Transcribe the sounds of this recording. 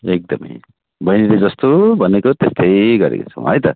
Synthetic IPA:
ek̚d̪ʌmʌ̰j | bʌjniled͡zʌst̪obʱʌnekot̪est̪ʌjɡʌɾḛkot͡sʰʌ̰̃ɦʌ̰jt̪ʌ̰

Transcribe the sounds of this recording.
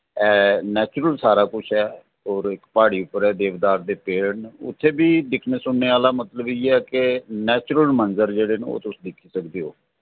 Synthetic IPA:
ɛːnɛːt͡ʃɾəlsaːɾaːkʊt͡ʃʰɛː | ɦɔːɾɪkpaːɽiːʊpəɾɛːd̪eːʋd̪aːɾd̪eːpeːnʊ̰t̪ʰːeːbiːd̪ɪkʰneːsʊɳːeːaːlaːmət̪ləbiːeɛːkɪnɛːt͡ʃɾəlmənzəɾd͡ʒeːɽeːnḛo̰ːt̪ʊsĩd̪ɪkʰːiːsəkd̪eːoː

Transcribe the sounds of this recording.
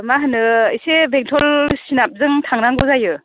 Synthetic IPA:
maɦɯnɯisebeŋtʰɔlsinap̚zɯŋtʰaŋnaŋɡɔzajɯ

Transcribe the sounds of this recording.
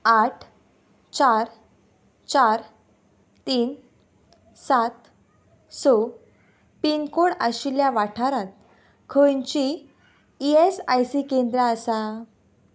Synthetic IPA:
aʈʰ | t͡ɕaɾ | t͡ɕaɾ | t̪iːn | sat̪ | so | piŋɡkoɽaɕiljaʋaʈʰaɾãt̪̚ | kʰəjɲt͡ɕiː | esajsikend̪ɾəəsa

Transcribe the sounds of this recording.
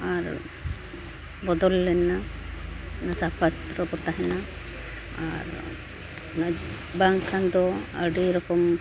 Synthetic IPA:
aɾ | bɔd̪ɔlːɛna | nasapʰast̪ɾɔbɔt̪aɦɛna | a̰ɾ | nad͡ʒ | baŋkʰand̪ɔəɖiɾɔkɔm

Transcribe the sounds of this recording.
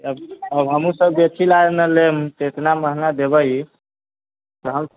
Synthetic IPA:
əbəbɦəmũsəbbetʰilanəlemt̪et̪naməɦnad̪ebəji | t̪ɔɦəm

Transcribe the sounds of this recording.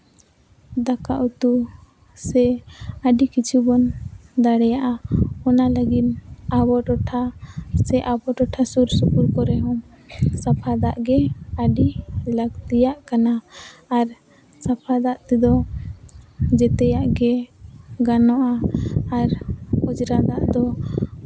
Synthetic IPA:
d̪akaʔut̪u | sɛəɖikit͡ʃʰubɔnd̪aɽɛjaʔaɔnaləɡinabɔʈɔʈʰasɛʔabɔʈɔʈʰasuɾsukuɾkɔɾɛɦɔ̃ | sapʰad̪aʔɡɛəɖiləɡt̪ijaʔkanaːɾ | sapʰad̪aʔt̪ɛd̪ɔ | d͡ʒɛt̪ɛjaʔɡɛ | ɡanɔʔaː | ɾɔd͡ʒɾad̪aʔd̪ɔ

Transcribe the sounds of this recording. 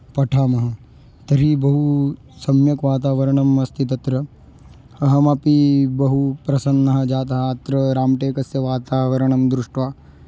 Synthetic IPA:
pɐʈʰaːmɐɦɐ̆ | t̪ɐɾibɐɦu | sɐmjɐkʋaːt̪̬aːʋɐɾɐɳɐmɐst̪ʰit̪ɐt̪ɾɐ | ɐɦɐmɐpibɐɦupɾɐsɐnːɐɦɐ̆d͡ʒaːt̪̬ɐɦɐːt̪ɾɐɾaːmʈeːkɐsjɐʋaːt̪aːʋɐɾɐɳɐmd̪ɾuʂʈʋaː

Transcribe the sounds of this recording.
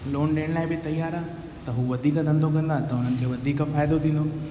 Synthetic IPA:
loːnɗeːɽlaːɪbɪt̪ɐjaːɾaː | t̪ɐɦuʋɐd̪ʱiːkd̪ʱə̃nd̪ʱok̬ɐ̃nd̪aːt̪ɐɦʊn̤ənɪ̆kʰeːʋɐd̪ʱiːkfaːjd̪od̪ĩːnd̪o

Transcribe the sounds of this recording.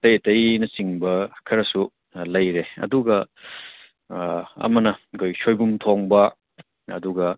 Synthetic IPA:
tɐjɐtɐjnɐsiŋbɐkʰɐɾɐsu | lɐjɾeɐ̰duɡɐ | ɐ̰mɐnɐɡojsojbumtʰoŋbɐ | ɐ̰duɡɐ

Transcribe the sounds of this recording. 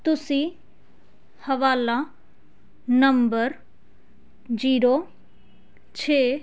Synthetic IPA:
t̪ʊsi | hɐʋaːla | nɐmbəɾ | d͡ʒiːɾo | t͡ʃʰeː

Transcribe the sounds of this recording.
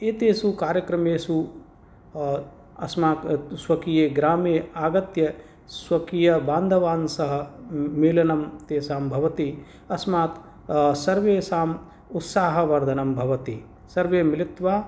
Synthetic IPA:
eːt̪eːsukaːɾjɐkɾɐmeːsu | ɐsmaːksʋɐkijeːɡɾaːmeːaːɡɐt̪jɐ | sʋɐkijɐbaːnd̪ʱɐʋaːnsɐɦɐ̆miːlɐnɐmt̪eːsaːmbʱɐʋɐt̪i | ɐsmaːt̪ | sɐɾʋeːsaːm | ut̪saːɦɐʋɐɾd̪ʱɐnɐmbʱɐʋɐt̪i | sɐɾʋeːmilit̪ʋaː

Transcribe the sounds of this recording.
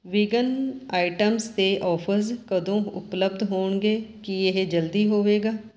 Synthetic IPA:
ʋɪɡənaːɪʈəmst̪eːʔɔːpʰəskəd̪õːʊ̰pləb̚d̪ɦoːɳɡeːkieɦd͡ʒəld̪iːɦoːʋeːɡaː

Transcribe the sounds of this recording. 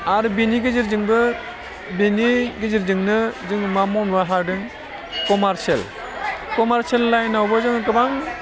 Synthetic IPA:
aɾɯbiniɡeziɾzɯŋbɯ | beniɡeziɾzɯŋnɯzɯŋmamɔnmaɦaɾdɯŋ | kɔmaɾsel | kɔmaɾselːajnawbɯzɯŋkɯbaŋ

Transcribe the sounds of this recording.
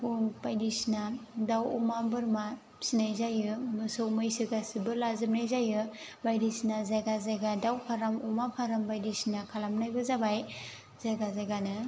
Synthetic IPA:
puŋbajdisnadawṵmabɯɾma | sinajzajɯmɯsɯwmɯjsiɡasibɯlazɯmnajzajɯ | bajdisnazajɡazajɡadawpʰaɾamumapʰaɾambajdisnakʰalamnajbɯzabaj | zajɡazajɡanɯ

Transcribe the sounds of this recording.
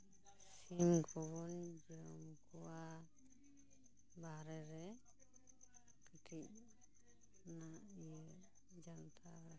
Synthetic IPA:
s | imɡʰɔbɔnd͡ʒiɔmkʰɔwa | baɾɛɾɛ | kitʰic̚ | na | d͡ʒant̪ʰaɾ

